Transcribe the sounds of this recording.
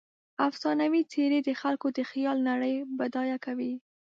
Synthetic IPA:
afsɑnawit͡seɾed̪əxalkod̪əxjɑlnaɽəjbad̪ɑjakawi

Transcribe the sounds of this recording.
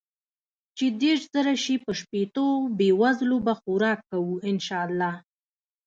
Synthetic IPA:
t͡ʃed̪eɾʃz̥əɾaʃipəʃpet̪obewazlobaxuɾɑkːawuɪnʃɑalːɑ

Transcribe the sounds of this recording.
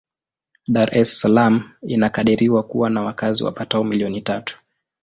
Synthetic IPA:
ɗaɾʔɛssalaminakaɗiɾiwakuwanawakazḭwa̰pataɔmiliɔnitatu̥

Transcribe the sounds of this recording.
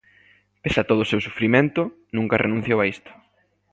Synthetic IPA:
pesat̪oð̞oʊsewsufɾimẽnt̪ʊ | nũŋkɐrʔenũn̟θjowaist̪ʊ̥

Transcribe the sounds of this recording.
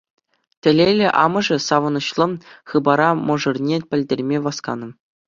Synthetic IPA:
tʲɘ̆lʲelʲɘ̆ʔɑ̰mɤ̆ʐɘ̆sɑʋɤ̆nɤ̆ɕlˠɤ̆χɯbɑɾɑmŏʐɤ̆rnʲepʲɘ̆lʲdʲerʲmʲeʋɑskɑ̰nɤ̆m

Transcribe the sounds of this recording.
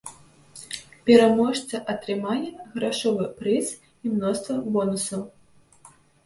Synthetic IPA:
pʲɛɾamɔʂt̪sɐʔɐt̪ɾɨmanʲːɛɣɾaʂɔvɨpɾɨs | imnɔst̪vɐbɔnusɐw

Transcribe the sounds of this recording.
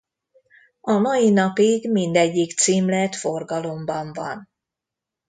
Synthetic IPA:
ɒmɒjinɒpiɡmind̪ɛɟːikt̪siːmlɛt̪forɡɒlo̞mbɒɱvɒ̰n

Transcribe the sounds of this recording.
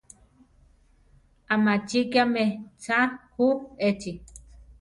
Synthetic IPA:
amat͡ʃikiamet͡sahuet͡ʃi

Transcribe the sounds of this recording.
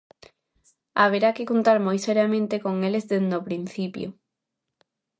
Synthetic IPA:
aβeɾakɪkont̪aɾmojseɾjamẽnt̪ekoŋelezðend̪opɾin̟θipjo̰

